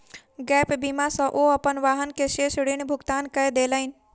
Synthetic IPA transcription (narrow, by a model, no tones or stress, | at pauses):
ɡɛːpbimasɐ̃ʔoɐpənʋaːɦənkeʃeːʃɽiɳ̃bʱʊɡt̪aːnkəd̪eːləɪn